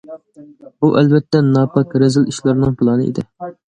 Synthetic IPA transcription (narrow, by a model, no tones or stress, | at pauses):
buʔɛlbɛt̪ʰːɛnɑːpɑkɾɛzɪliʃlˠɑɾnɨŋpʰɨlˠɑnɨḭd̪ɪ